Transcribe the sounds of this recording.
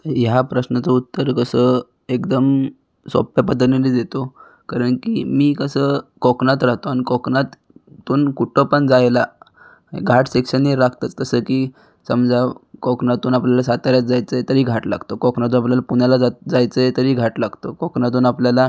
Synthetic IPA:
t̪əjapɾəsnat͡səut̪ːəɾkəsə | ekd̪əm | sɔ̰pjapəd̪əɾnelid̪et̪o | kaɾəɳkimiːkəsəːkɔknat̪ɾaɦt̪oanikɔknat̪ː | uːnkuʈʰəpəɳd͡zajla | ḛɡʱaʈsekɕəneɾak̚ʰt̪at̪t̪əsəkiː | səmd͡zʱakɔknat̪uːnapljalasat̪aɾjat̪̚d͡zajt͡səjet̪əɾiːɡʱaʈla̰ɡʱt̪okɔknat̪̬uːnapljalapunalad͡zad͡zajt͡səet̪əɾiːɡʱaʈlaɡʱt̪okɔknat̪̬uːnapljala

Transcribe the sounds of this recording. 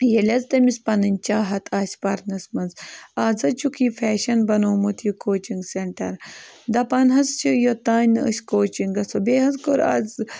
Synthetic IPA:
jelʲɐzt̪ɐmispɐnɐnʲt͡ʃaːɦɐt̪ʰaːsʲpɐɾnɐsmɐnzaːzɐt͡ʃukiːfʰɛːʃɐnbɐnoːmut̪ʰjukoːt͡ʃiŋɡseɳʈɐ̰ɾd̪ɐpɐnɦɐst͡ʃʰijot̪aːnɨə̰sʲkoːt͡ʃiŋɡɐsobeːɦɐzkoɾa̰ːz

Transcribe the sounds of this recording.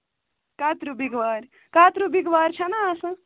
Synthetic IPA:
kaːt̪ɾubiɡʋaːɾ | kaːt̪ɾubiɡʋaːɾt͡ʃʰɐnaːsɐ̃

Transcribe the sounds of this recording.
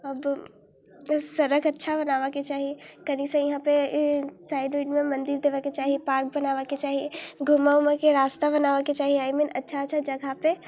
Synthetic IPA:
ɐb | sɐɾəkɐtːʃʰabɐnaːʋaket͡ʃaːɦikɐɾisə̃jɪɦãpesaːɪɖoʈmẽmɐ̃nd̪iɾd̪eːʋaket͡ʃaːɦipaːɾk̚bənaːʋaket͡ʃaːɦiɡʱʊmamẽkeɾaːst̪abɐnaːʋaket͡ʃaːɦiaːimenɐtːʃʰaːtːʃʰad͡ʒɐɡʱape

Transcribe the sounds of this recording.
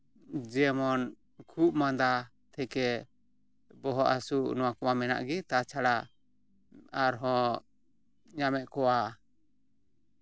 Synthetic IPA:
d͡ʒɛmɔn | kʰuʔmand̪a | t̪ʰɛkɛ | bɔɦɔʔasuʔnɔwakɔwamɛna̰ʔɡit̪at͡ʃʰaɽa | aɾɦɔ̃ | ɲamɛʔkɔwa

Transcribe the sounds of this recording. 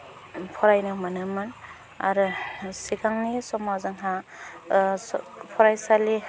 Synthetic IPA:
pʰɔɾajnɯmanɯmɯn | a̰ɾɯsikʰaŋnisɔmawzɯŋɦa | pʰɔɾajsali

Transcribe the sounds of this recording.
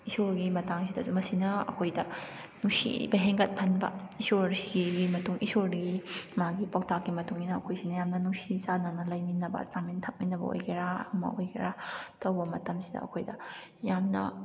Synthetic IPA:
isoɾɡimɐtaŋsidɐzumɐsinɐɐ̰kʰojdɐ | nuŋsḭbɐɦeŋɡɐt̚pʰɐnbɐ̰isoɾsiɡiɡimɐtuŋisoɾɾɡimaɡipok̚takɡimɐtuŋinɐɐ̰kʰojsinɐjamnɐnuŋsit͡ʃanɐnɐlɐjminɐbɐ̰samintʰɐk̚minɐbɐ̰o̰jkʰiɾaɐ̰mɐ̰ʔojkiɾatɐwbɐmɐtɐmsidɐ̰ɐ̰kʰojdɐ | jamnɐ̰

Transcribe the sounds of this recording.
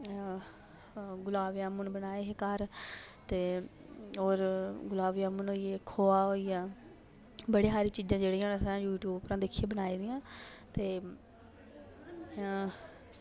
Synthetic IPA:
ɡʊlaːʋjãːmʊnbənaːeːɦekəɾt̪eː | oːɾɡʊlaːʋjãːmʊnoːieːkʰoːaːɦoːiaː | bəɽeːɦaːɾiːt͡ʃiːd͡ʒãːd͡ʒeːɽiːãːəsãːjuːʈjuːbpɾãːd̪ɪkʰːijeːbənaːiːd̪ɪjãːt̪eː

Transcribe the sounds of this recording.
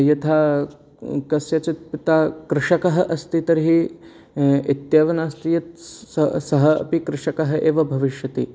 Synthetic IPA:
jɐt̪ʰaː | kɐsjɐt͡ʃit̪̚pit̪aːkɾɪʃɐkɐɦɐ̆ʔɐst̪it̪ɐɾiɦi | it̪jaːʋɐnaːst̪ijɐt̪sɐsɐɦɐɐ̰pikɾɪʂɐkɐɦɐʔeːʋɐbʱɐʋiʃjɐt̪ḭ

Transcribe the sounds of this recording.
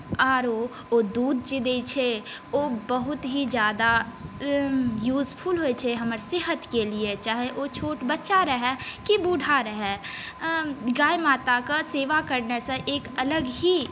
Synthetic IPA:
aːɾo | od̪uːd̪̚d͡ʒid̪et͡ʃʰeoːbəɦʊt̪ɦid͡ʒjaːd̪a | juːzpʰulɦoet͡ʃʰeɦɐməɾsɪɦət̪keliet͡ʃaːɦeʔot͡ʃʰoːʈbətːʃaɾəɦɛkibuɖʱaɾəɦɛː | ɡaːjmaːt̪akaseːʋakəɾnesẽʔeːkələɡɦi

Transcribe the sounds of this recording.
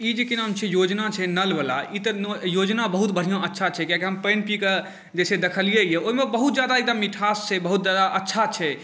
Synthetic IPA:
id͡ʒekinamt͡ʃʰɛjod͡ʒnat͡ʃʰɛnəlbəla̰it̪ənjod͡ʒnabəɦut̪bəɽ̤ijõətːʃʰat͡ʃʰɛkjãkeɦəmpenpike | d͡ʒesed̪ekʰəlijeijeoɦimebəɦut̪̚d͡ʒjad̪aek̚d̪əmːiʈʰast͡ʃʰɛbəɦut̪d͡ʒad̪aʔətːʃʰat͡ʃʰɛ

